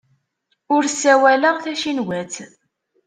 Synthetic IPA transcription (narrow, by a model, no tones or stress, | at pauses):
ʊɾsːæwæləʁθæʃinwæt͡s